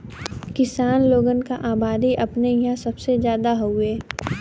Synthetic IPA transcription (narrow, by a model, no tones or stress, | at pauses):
kɪsaːnloːɡənkaʔaːbaːd̪iʔɐpnejãsɐbsezjaːd̪aɦoʊeː